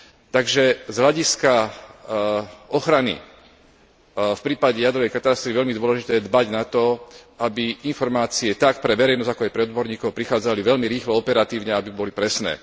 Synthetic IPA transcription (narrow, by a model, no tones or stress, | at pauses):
t̪aɡʒɛzɦlʎaɟiska | ɔxɾanḭ | fpɾiːpaɟɛjad̪ɾɔʋɛjkat̪ast̪ɾiʋɛʎmid̪ʊɔlɛʒit̪ɛːjɛd̪baɟnat̪ɔabiinfɔɾmaːt͡siɛt̪akpɾɛʋɛɾɛjnɔzakɔajpɾɛɔd̪bɔɾɲiːkɔʊpɾixaːd͡zaliʋɛʎmiɾiːxlɔɔpɛɾat̪iːʊɲɛabibɔlipɾɛsnɛ̰ː